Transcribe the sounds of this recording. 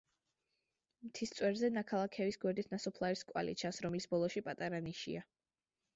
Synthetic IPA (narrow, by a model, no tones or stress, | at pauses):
mt̪ʰist̪sʼwɛɾzɛnakʰalˠakʰɛvisɡwɛɾd̪it̪ʰnasɔpʰlˠaɾiskʼwa̰lḭt͡ʃʰansɾɔmlisbɔlˠɔʃipʼat̪ʼaɾaniʃḭa